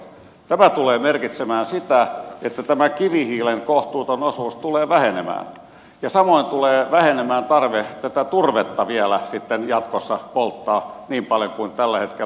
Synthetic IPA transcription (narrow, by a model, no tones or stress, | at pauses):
t̪æmæt̪uleːmerkit̪semæːnsit̪æet̪ːæt̪æmækiʋihiːleŋkoht̪uːt̪onosuːst̪uleːʋæhenemæ̰ːn | jɑsɑmoint̪uleːʋæhenemæːnt̪ɑrʋet̪æt̪æt̪urʋet̪ːɑʋiælæsit̪ːenjɑt̪kosːɑpolt̪ːɑː | niːmpɑljokuint̪ælːæhet̪ke